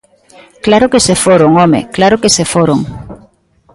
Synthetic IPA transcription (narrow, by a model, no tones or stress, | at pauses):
klaɾokesefoɾoŋɔmḛklaɾokesefoɾoŋ